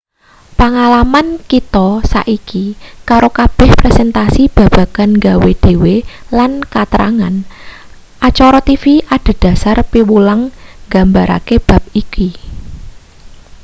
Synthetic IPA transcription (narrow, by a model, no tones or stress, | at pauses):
paŋalamankit̪ɔsa̰ʔikikaɾokab̥ɛ̤hpɾɛsɛnt̪asib̥ä̤b̥a̤ɡ̥anŋɡawed̪̥e̤welankat̪əɾa̰ŋa̰n | ʔat͡ʃɔɾɔt̪ifiad̪̥a̤d̪̥a̤sarpiwulaŋɡambaɾʔa̰keb̥a̤p̚iki